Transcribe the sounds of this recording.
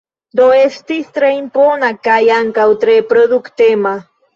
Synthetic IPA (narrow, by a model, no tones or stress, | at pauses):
d̪oest̪ist̪ɾeimponakajaŋkawt̪ɾepɾoðukt̪ema